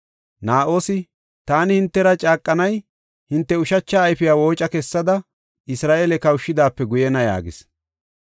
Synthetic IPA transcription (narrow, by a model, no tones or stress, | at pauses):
naːʔo̞ːsɪ | t̪aːnɪhɪnt̪ːɛɾɐt͡ʃʼaːkʼːɐnɐj | hɪnt̪ːɛʊʃɐt͡ʃːaːjfɪjaːwo̞ːt͡ʃʼɐkɛsːɐd̪ɐ | ɪsɾaːʔelɛkɐwʊʃːɪd̪aːpːɛɡʊjɛnɐja̰ːɡɪs